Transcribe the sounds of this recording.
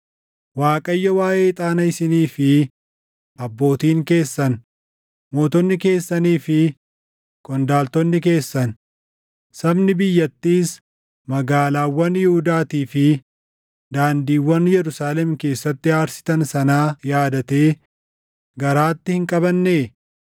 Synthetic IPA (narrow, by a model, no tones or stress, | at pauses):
waːkʼɐjːɐwaːʔe̞ːt̪ʼaːnɐɪsɪniːfɪ | ɐbːo̞ːt̪iːŋke̞ːsːɐn | moːt̪ɔnːɪke̞ːsːɐniːfɪ | kʼɔnd̪aːlt̪ɔnːɪke̞ːsːɐn | sɐbnɪbɪjːɐt̪ːiːs | mɐɡaːlaːwːɐnjɪhʊd̪aːt̪iːfɪ | d̪aːnd̪iːwːɐnjɛɾʊsaːlɛmke̞ːsːɐt̪ːɪaːɾsɪ̥t̪ɐnsɐnaːjaːd̪ɐt̪e̞ː | ɡɐɾaːt̪ːɪhɪŋkʼɐβɐnːe̞ː